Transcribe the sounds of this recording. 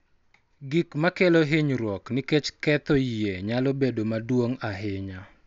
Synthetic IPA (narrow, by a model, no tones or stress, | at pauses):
ɡikmakeloɦeɲɾwɔknɪket͡ʃkɛt̪ɔjeɲalɔbedomadwoŋaɦɪɲa